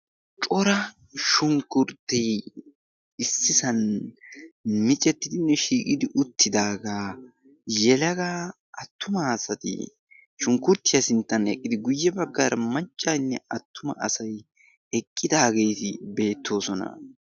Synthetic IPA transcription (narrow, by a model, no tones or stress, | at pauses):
t͡ʃʼɔɾɐ | ʃʊŋkʊɾt̪ːɛj | ɪsːɪsɐn | mɪt͡ʃʼɛt̪ːɪd̪ɪnːɛʃiːkʼɪd̪ɪʔʊt̪ʰːɪd̪aːɡaː | jɛlɐɡaː | ɐt̪ːʊmɐːsɐt̪ɪ̰ | ʃʊŋkʊɾt̪ːɪjɐsɪnt̪ːɐnɛkʼːɪd̪ɪɡʊjːɛbɐɡːaɾɐmɐt͡ʃʼːanːɛɐt̪ːʊmɐ̰ʔɐsɐj | ɛkʼːɪd̪aːɡe̞jt̪ɪbe̞ːt̪ʰːo̞ːsɔnɐ̰